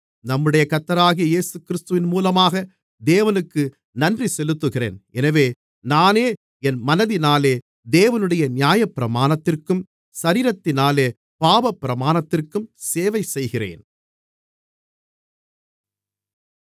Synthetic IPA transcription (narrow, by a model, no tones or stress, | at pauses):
nɐmːɯɽɐjɐkɐt̪ːɐɾaːɣɪjɐjeːsɯkɪɾɪst̪ɯʋɪnmuːlɐmaːɣɐ | d̪eːʋɐnɯkːɯ | nɐndrisɛlɯt̪ːɯɣɪrḛːnɛnɐʋeː | naːneː | ɛnmɐnɐðɪnaːleː | d̪eːʋɐnɯɽɐjɐnɪjaːjɐpːɪɾɐmaːnɐt̪ːɪrkɯm | sɐɾiːɾɐt̪ːɪnaːleː | paːʋɐpːɪɾɐmaːnɐt̪ːɪrkɯmseːʋɐɪsɛjɣɪrḛːn